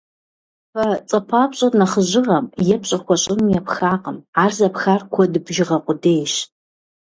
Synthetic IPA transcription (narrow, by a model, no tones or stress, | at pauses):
fɐt͡sʼɐpʰaːpɕʼɐrnɐχəʑɪrɐmjɛpɕʼɐkʷʰɔɕʼɪmjɛpxaːqəmaːrzɐpxarkʷʰɔdɨbʒɪʁɐqʷʼʊdejʃ